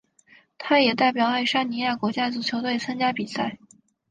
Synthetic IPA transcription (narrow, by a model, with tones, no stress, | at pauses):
t̪ʰa˥jɛ˨˩t̪a˥˩ɪpjɑ˨˩ʊa˥˩ɪʂa˥nni˧˥ja˥˩kwɔ˧˥t͡ɕja˥t͡su˨˩t͡ɕʰjo˧˥ʊt̪we˥˩ɪt͡sʰa˥ŋt͡ɕja˥pi˨˩sa˥˩ɪ